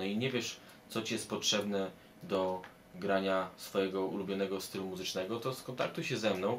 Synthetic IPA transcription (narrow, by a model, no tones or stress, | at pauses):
ɔiɲɛvʲjɛʂ | t̪sɔt͡ɕijɛst̪̚pɔtʂɛbnɛ | d̪ɔ | ɡɾaɲasfɔjɛɡɔṵlubʲjɔnɛɡɔst̪ɘlumuzɘt͡ʂnɛɡɔt̪ɔskɔnt̪a̰k̚t̪uɕɛzɛmnɔ̃w̃